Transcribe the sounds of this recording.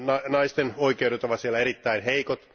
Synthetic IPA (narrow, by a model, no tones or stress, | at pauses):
nɑnɑist̪enoikeuɾet̪oʋɑt̪sielːæeɾit̪ːæinheikot̪